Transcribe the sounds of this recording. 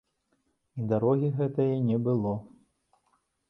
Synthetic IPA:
id̪aɾɔɣʲiɣɛt̪ɐjɛnʲɛbɨlˠɔ

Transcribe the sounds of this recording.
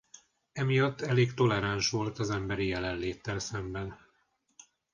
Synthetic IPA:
ɛmijɒt̪ːɛleːɡt̪o̞lɛɾanʃʋo̞lt̪ɒzɛmbɛɾijɛlɛnleːt̪ːɛlsɛmbɛn

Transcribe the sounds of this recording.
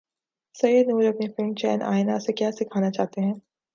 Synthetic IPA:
sɐjəd̪nuːɾɐpnifɪ̃ɳt͡ʃɛ̰ːnʔa̰ːɪnasekjaːsɪkʰaːnat͡ʃaːɦt̪eɦɛ̃ː

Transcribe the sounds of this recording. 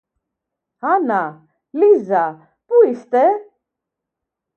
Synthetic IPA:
ɦana | liza | puist̪e

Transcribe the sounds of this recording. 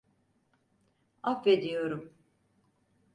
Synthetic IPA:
afved̪ijo̞ɾum

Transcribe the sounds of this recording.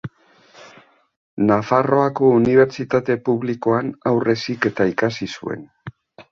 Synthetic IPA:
nafaro̞ako̞uniβ̞e̞ɾt͡ʃit̪at̪e̞puβliko̞anawrʔe̞sike̞t̪aikasisṵe̞̰n

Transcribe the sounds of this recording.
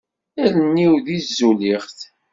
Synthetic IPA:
ælənːiwðizːuliχθ

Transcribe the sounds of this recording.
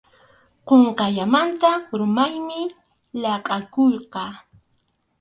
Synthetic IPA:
qoɴqɑʎamant̪aɾʊmajmɪ | ʎɑqʼɑkojqɑ

